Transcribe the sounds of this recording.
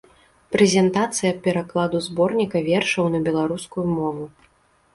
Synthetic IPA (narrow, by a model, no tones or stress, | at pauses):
pɾɛzʲɛnt̪at̪sɨjɐpʲɛɾaklˠad̪uzbɔrnʲikɐvʲɛrʂɐwnɐbʲɛlˠaɾuskujumɔvu